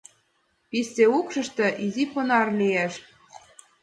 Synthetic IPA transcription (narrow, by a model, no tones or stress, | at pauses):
piseukʃɤ̆ʃt̪ɤ̆ʔiziponɑrlijæʃ